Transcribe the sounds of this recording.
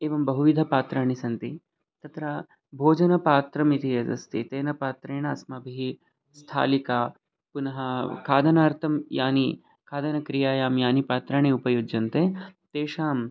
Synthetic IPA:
eːʋɐmbɐɦuʋid̪ʱɐpaːt̪ɾaːɳisɐnt̪i | t̪ɐt̪ɾa | bʱoːd͡ʒɐnɐpaːt̪ɾɐmit̪ʰijɐzɐ̰st̪ḭt̪eːnɐpaːt̪ɾeːɳɐːsmɐbʱiɦi | st̪ʰa̰ːlikaː | punɐɦɐkʰaːd̪ʱɐnaːɾt̪ʰɐmjaːni | kʰaːd̪ɐnɐkɾijaːjaːmjaːnipaːt̪ɾaːɳiupɐjoːd͡ʒjɐnt̪et̪eːʂaːm

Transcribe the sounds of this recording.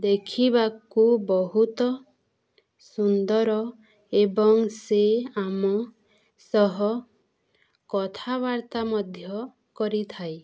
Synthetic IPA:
d̪ekʰibakubɔɦut̪ɔ | sund̪ɔɾɔ | ebɔŋseamɔ | sɔɦɔ | kɔt̪ʰaβaɾt̪amɔd̪ʱjɔ | kɔɾit̪ʰaj

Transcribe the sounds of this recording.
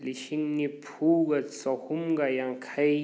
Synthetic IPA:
liʃiŋnipʰuɡasɔhumɡajaŋkʰaj

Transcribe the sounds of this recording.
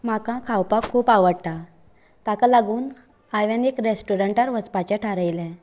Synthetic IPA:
m̤akãkʰawpakʰuːpaʋəɽt̪a | t̪akalaɡuːn | ajʋanekɾesʈuɾəɳʈaɾʋət͡spat͡ɕaʈʰaɾəjlɛ̃

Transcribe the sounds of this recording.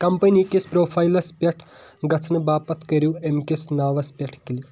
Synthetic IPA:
kɐmpənikʲespɾopʰajlɐspʲɐʈʰɡɐt͡sʰnɨbapɐt̪kɐɾiwemkesnaʋɐspʲɐʈʰkili

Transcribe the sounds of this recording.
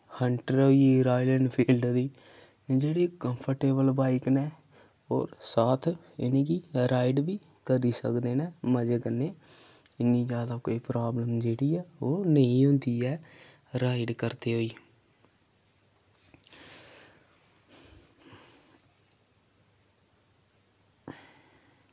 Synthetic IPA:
hʰəɳʈəɾoːiɾaːjlənpʰiːlɖd̪iː | d͡ʒeːɽiːkəmpʰəɾʈeːbəlbaːɪknɛː | ɔːɾsaːt̪ʰ | ɪnẽːɡiɾaːɪɖʋiː | kəɾiːsə̰kd̪eːnɛːməd͡ʒeːkəneː | ɪnːĩːd͡ʒjaːd̪aːkoːiːpɾaːbləmd͡ʒeːɽiːɛːoːnəĩːõnd̪iːɛː | ɾaːɪɖkəɾt̪eːɦoːiː

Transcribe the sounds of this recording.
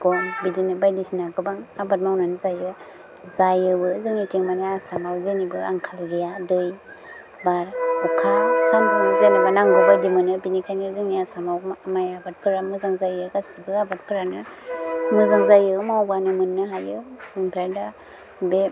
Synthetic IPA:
ɡ̥ɔmbidinɯbajdisinaɡɯbaŋabat̚mawnanɯzajɯ | zajɯbɯzɯŋitiŋmanaasamawzɯnibɯa̰ŋkʰalɾijadɯj | baɾukʰasɯmpʰɔnzenabanaŋɡɔbajdimɯnɯbinikʰanizɯŋiasamawmajabat̚pʰɯɾamɯzaŋzajɯɡasibɯabat̚pʰɯɾanɯ | mɯzaŋzajɯmawbanɯmɯnːɯɦajɯmɯŋpʰeɾda | be

